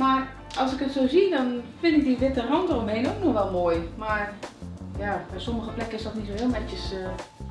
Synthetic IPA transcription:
mar | ʔɔlˠsɪkətsoːzidɔnfɪndɪk̚diʋɪtərɔntəromheːnoknoxʋɛlˠmoːjmarjab̥ɛjsoməxəplɛkəɪsdɔtnitsoɦɪəlˠmɛtjəs

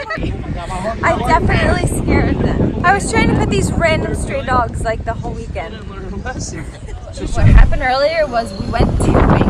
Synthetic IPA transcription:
ʔaɪdɛfɨ̃nɨʔtˡliskɛɹd̚ðɨ̃ʔaɪwʌz̥tʰɹ̥aɪɪ̃ŋtʰɨpʰʊt̪̚ðizɹɛ̃ñnstɹ̥edɔɡz̥laɪk̚ðəhoʊlˠwikɛ̃nd̥ | wʌt̚hæ̰pɨ̃ndɜ˞lˠiə˞wʌzwiwɛ̃ntʰɨe

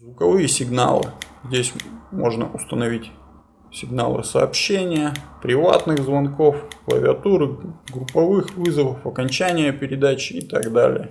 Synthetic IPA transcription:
zvʊkɐvɨjəsʲɪɡna̰lˠɨ̰zʲdʲesʲmo̞ʐnə̰ʔʊst̪ənɐvʲitʲ | sʲɪɡna̰lˠɨ̰sɐːpɕenʲɪjəpɾʲɪva̰t̪nɨɣzvɐnko̞fklˠə̰vʲɪɐt̪uɾɨɡɾʊpːɐvɨxvɨzəvəfɐkɐnʲt͡ɕænʲɪjəpʲɪɾʲɪd̪at͡ɕɪːt̪aɡd̪a̰lʲɪ̰jə

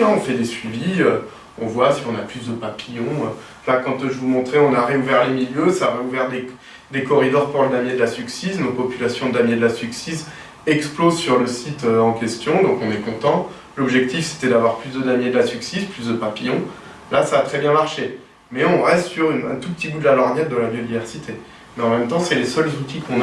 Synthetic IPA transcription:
ɔ̃fɛd̪esɥiviø | ɔ̃vwasiɔ̃naplysd̪əpapijɔ̃ø | lakɑ̃t̪ʒəvumɔ̃t̪χɛɔ̃naʁeuvɛʁlemiljøsaːʁeuvɛʁd̪e | d̪ekɔʁid̪ɔʁpuʁləd̪amjed̪əlasyksisnopɔpylasjɔ̃d̪amjed̪əlasyksis | ɛksplozsyʁləsit̪øɑ̃kʲɛst̪jɔ̃d̪ɔ̃kɔ̃nɛkɔ̃t̪ɑ̃ | lɔbʒɛk̚t̪ifse̥t̪ɛd̪avwaʁplyzd̪əd̪amjed̪lasyksisplysd̪əpapijɔ̃ | lasaːt̪χɛbjɛ̃maʁʃe | mɛɔ̃ʁɛst̪syʁynɛ̃t̪upət̪ibud̪lalɔʁnɛt̪̚d̪ɑ̃labjod̪ivɛʁsit̪ʰe | mɛɑ̃mɛmt̪ɑ̃sɛlesœlzut̪ikʰɔ̃n

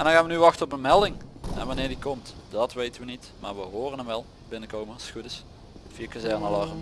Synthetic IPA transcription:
ɛndɑnɣaːnʋənyʋɑxtəɔpənmɛlˠdɪŋɛ̰nʋɑnɪːɹdikɔmtd̥ɑtʋejtənʋənit | ma̰ːɹʋəɦoːrənəmʋɛlˠ | bɪnəkowməsxudəs | fiakazɛrnəlɑʁəm

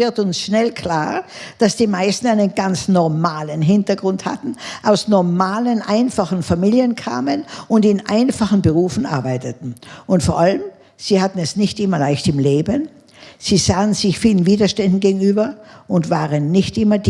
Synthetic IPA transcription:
ɪɐtʊnsʃnɛlkʰl̥aːɐd̥asd̥iːmaɪstn̩aɪnənɡant͡snɔɐmaːlənɦɪntɐɡʁʊntha̰tn̩ʔaʊsnɔɐmaːlənʔaɪnfaχn̩famiːljənkʰa̰ːmənʊntɪnʔa̰ɪnfaχn̩bəʁuːfn̩ʔa̰ɐbaɪtətn̩ʔʊntfoːɐʔaləm | z̥iːhatn̩ɛsnɪçtʔɪmɐlaɪçtɪmleːbən | z̥iːz̥aːənzɪçfiːlən̩viːdɐʃtɛndn̩ɡeːɡŋ̩yːbɐʔʊntv̥aːʁənːɪçtʔɪmɐd

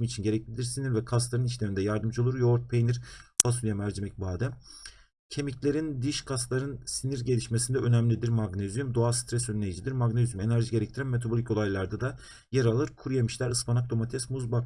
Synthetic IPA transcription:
mit͡ʃʰinɟe̞ɾɛclʲid̪ʲiɾsiniɾvɛkʰast̪lˠaɾɯniʃlʲemind̪ɛjaɾd̪ɯmd͡ʒɯolˠuɾjo̞ɾt̪̚pʰejniɾfʰasulʲijamæɾd͡ʒemɛc̚baːd̪æm | cʰe̞miclʲe̞ɾind̪iʃkʰaslˠaɾɯnsiniɾɟe̞lʲiʃmesind̪ɛʔønæmlʲid̪iɾmaɡnezyjymd̪oast̪ʰɾɛsønlʲejid͡ʒid̪iɾmaɡnezjume̞næɾʒiɟeɾɛc̚t̪ʰiɾænme̞t̪ʰabolʲicko̞lˠajlˠaɾd̪ad̪a | jeɾalˠɯɾkʰuɾujamɯʃlʲæɾɯspanak̚t̪o̞mat̪ʰɛsmuzba

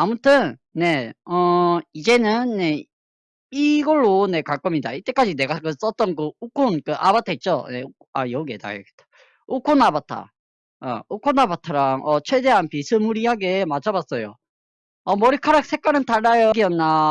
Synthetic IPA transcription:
amutʰɯnːe̞ʌid͡ʑe̞nɯnːe̞ | iɡʌɭːone̞kaɭk͈ʌmɲida̰it͈e̞k͈ad͡ʑine̞ɡakɯs͈ʌt͈ʌnkɯukʰonkɯʔabatʰeit̚t͡ɕ͈onḛ | a̰jʌɡeta̰jʌ̰ɡetḁ | ukʰonabatʰa̰ | a̰ukʰonabatʰaɾaŋʔʌt͡ɕʰwe̞de̞ɦanpisʰɯmuɾihaɡe̞mat͡ɕʰabas͈ʌjo | ʌmʌɾikʰaɾak̚s͈ʰe̞k͈aɾɯntaɭːajoɡiʌnːa

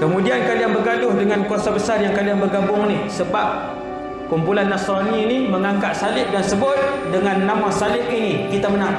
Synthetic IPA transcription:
kəmudiankaliaŋbərɡalʊhdəŋankuasabəsarjaŋkaliaŋbərɡabʊŋnihsəbap̚ | kumpulanːasɾaniniməŋaŋkaʔ̪salɪʔ̚dansəbʊt̪̚dəŋanːamasalɪʔinikit̪amənaŋ

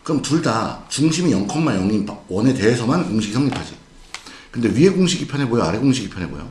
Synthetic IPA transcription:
kɯɾʌmtuɭdat͡ɕuŋɕʰimijʌŋkʰʌmːaɭjʌŋimwʌne̞te̞ːsʰʌmankuŋɕʰik̚sʰʌŋɲipʰad͡ʑi | kɯnde̞ɥieɡuŋɕʰiɡipʰjanebojoa̰ɾeɡoŋɕʰiɡipʰanɦebo̰jo̰

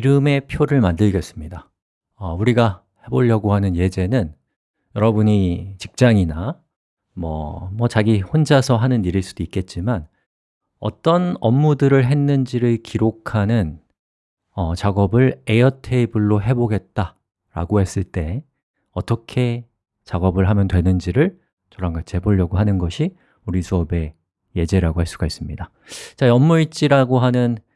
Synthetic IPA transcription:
iɾɯme̞pʰjoɾɯɭmandɯɭɡes͈ɯmɲida | ʌuɾiɡa | he̞boʎːʌɡoɦanɯnje̞d͡ʑe̞nɯn | jʌɾʌbuɲit͡ɕik̚t͡ɕ͈aŋina | mʌ̰mʌt͡ɕaɡihond͡ʑasʰʌɦanɯniɾiɭs͈ud̥oik͈e̞t̚t͡ɕ͈iman | ʌ̰t͈ʌnʌmːudɯɾɯɭɦe̞nːɯnd͡ʑiɾɯɭkiɾokʰanɯn | ʌt͡ɕaɡʌbɯɭejʌtʰe̞ibɯɭːoɦe̞boɡe̞t̚t͈a | ɾa̰ɡohe̞s͈ɯɭt͈e̞ | ʌt͈ʌkʰe̞ | t͡ɕaɡʌbɯɭɦamjʌntwe̞nɯnd͡ʑiɾɯɭ | t͡ɕʌɾaŋɡat͡ɕʰihe̞boʎːʌɡoɦanɯnɡʌɕʰi | uɾisʰuʌbe̞ | je̞d͡ʑe̞ɾaɡohaɭs͈uɡ̥ais͈ɯmɲida | t͡ɕaiʌmːuit͡ɕ͈iɾaɡoɦanɯn

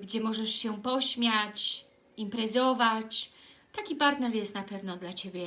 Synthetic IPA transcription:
ɡd͡ʑɛmɔʐɛʂɕɛpɔɕmʲjat͡ɕ | impɾɛzɔvat͡ɕt̪akʲipaɾt̪nɛɾjɛst̪napɛvnɔd̪lat͡ɕebʲjɛ

